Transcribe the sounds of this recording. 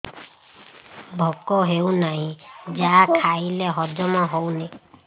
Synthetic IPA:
bʱɔkɔɦewnaɦĩd͡ʒakʰaileɦɔd͡ʒɔmɔɦowne

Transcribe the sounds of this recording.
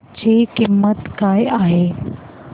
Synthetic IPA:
t͡ɕekimːət̪kajaɦe

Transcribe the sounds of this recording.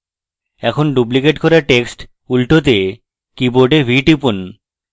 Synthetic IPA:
ɛkʰonɖup̬likeʈkoɾaɾʈeksʈ | ulʈot̪̬e | kiboɾɖebʱiʈipun

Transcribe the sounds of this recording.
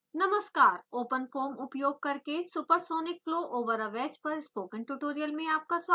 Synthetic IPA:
nɐməskaːɾoːpənfʰoːɾmʊpjoːɡ̚kɐɾkesʊpəɾsoːnɪk̚floːʔoːʋəɾəʋɛːd͡ʒpɐɾɪspoːkə̃nʈuʈoːɾijəlmẽaːp̚kasʋaː

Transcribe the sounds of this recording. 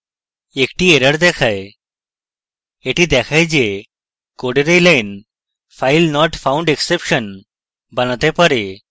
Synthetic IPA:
ekʈieɾəɽd̪ɛkʰaj | eʈid̪ɛkʰajd͡ʑe | koɽeɾejlajn | fajlnɔʈfʰãwɳɖeksepɕən | banat̪epəɾe

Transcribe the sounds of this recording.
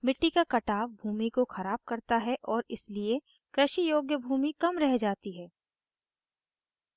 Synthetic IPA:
mɪʈːikakɐʈaːʋbʱuːmikoxɐɾaːb̚kɐɾt̪aɦɛʔɔːɾɪslie | kɾɪʃijoːɡjəbʱuːmikɐmɾɛɦd͡ʒaːt̪iɦɛː

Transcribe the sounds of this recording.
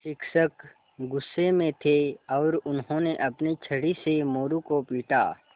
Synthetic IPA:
ʃɪkʃək | ɡʊsːemẽt̪ʰeɔːɾʊnɦõneʔɐpnit͡ʃʰəɽisemoːɾukopiːʈa̰ː

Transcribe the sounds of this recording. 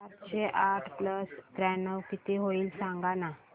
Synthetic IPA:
aɾt͡ɕeʔaʈʰpləst̪ɾɛnəʋkit̪eɦoiːlsãŋɡana

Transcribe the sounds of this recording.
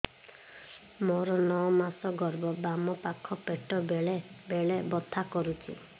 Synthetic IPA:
moɾɔnɔɔmasɔɡɔɾbɔbamɔpakʰːɔpeʈɔbɭebeɭebɔt̪ʰakɔɾut͡ʃʰḭ

